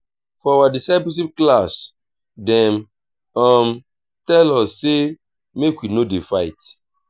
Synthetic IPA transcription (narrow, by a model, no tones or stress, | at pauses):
fɔawadisaɪpolʃ̬ip̚klas | dɛ̃m | ɔm | tɛlɔse | mekwinodefaɪt